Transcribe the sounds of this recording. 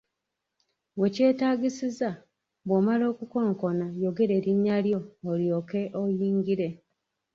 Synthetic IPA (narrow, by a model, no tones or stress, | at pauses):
βwe̞ce̞ːtaːɡisiza | βwomalo̞ːkuko̞ːŋko̞najo̞ɡe̞ɾe̞ːɾiɲːaljo̞ːljoːke̞ʔojiːŋɡiɾe̞